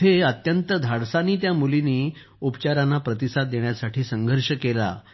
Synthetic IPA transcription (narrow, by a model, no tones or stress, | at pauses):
eət̪jənt̪əd̪ʱaɽsaniːt̪jamuliniː | upt͡ɕaɾanːapɾət̪isat̪̚d̪eɳ̃jasaʈʰiːsəŋɡʱəɾɕəkela̰